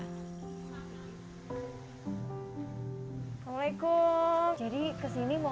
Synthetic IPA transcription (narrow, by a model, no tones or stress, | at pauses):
aŋlaikud͡ʒadikəsinimɔ